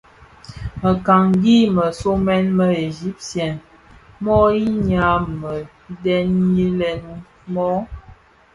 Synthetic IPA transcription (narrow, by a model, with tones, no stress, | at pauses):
mə˨ka˨ŋɡi˦mə˨so˦mɛ˦nmə˦e˨ʒi˦p̚tjɛ˨n | mɔ˦i˦ɲa˨˦mə˨ | dɛ˦nji˦lɛ˨n | mɔ˦